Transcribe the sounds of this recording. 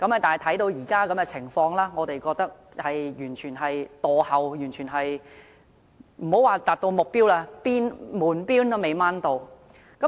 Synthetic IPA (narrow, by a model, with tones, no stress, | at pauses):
kɐ˨˥mɐ˨˩t̪aː˨˩˨jt̪ʰɐ˨˥jt̪o˧wjiː˨˩kaː˥kɐ˨˥mkɛː˧t͡sʰɪ˨˩ŋfɔː˧ŋlaː˥ŋɔː˨˧t̪e˨jkɔː˧k̚t̪ɐ˥k̚ | hɐ˨jjyː˨˩nt͡ʃʰyː˨˩nɦɐ˨jt̪ɔː˨˧hɐ˨wjyː˨˩nt͡ʃʰyː˨˩nɦɐ˨j | m̩˨˩ho˨˥waː˨˧t̪aː˨˩p̚t̪o˧wmʊ˨k̚piː˥wlaː˧piː˥nmuː˨˩npiː˥nɐ˥me˨˧jmaː˧˥nt̪o˨w | kɐ˨˥